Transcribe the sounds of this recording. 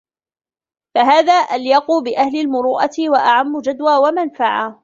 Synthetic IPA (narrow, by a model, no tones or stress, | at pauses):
faɦaːðaːʔaljɑquːbɪʔahlɪlmʊɾuːʔat̪ɪwaʔaʕamːʊd͡ʒad̪waːwamanfaʕa